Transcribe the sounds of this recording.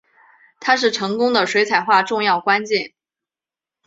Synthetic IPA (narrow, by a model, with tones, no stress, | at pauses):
t̪ʰa˥ʂ̬ɻ̩˥˩ʈ͡ʂʰɤ˧˥ŋkʊ˥ŋd̪ə˨ʂwe˧˥ɪt͡sʰa˨˩ɪxwa˥˧ʈ͡ʂʊ˥˧ŋjɑ˥˩ʊkwa˥nt͡ɕjɛ˥˩n